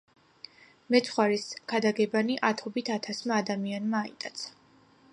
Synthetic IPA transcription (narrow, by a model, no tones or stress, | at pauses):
mɛt̪sʰχwaɾiskʰad̪aɡɛbaniʔat̪ʰɔbit̪ʰat̪ʰasmaːd̪amianmaːḭt̪ʼat̪sʰḁ